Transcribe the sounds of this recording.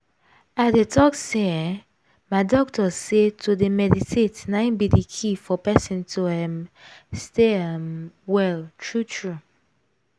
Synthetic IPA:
adetʰɔksɛ | maɪdɔk̚tɔsetʰudemɛditʰetnãɪ̃nbidikʰifɔpɛsɔ̃ntʰuɛmsteamwɛltʰɹutʰɹu

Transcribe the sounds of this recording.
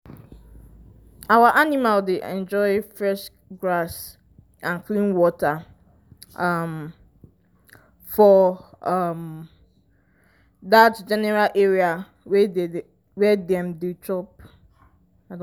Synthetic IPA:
awaʔanimaldeʔɛ̰̃nd͡ʒɔɪfɹɛʃ | ɡɹas | ʔãnklĩnwɔta | ʌm | fɔʌm | ðatd͡ʒɛnɛɹalʔɛɹia | wɛ | wɛdɛ̃mdutʰɹɔp | ad

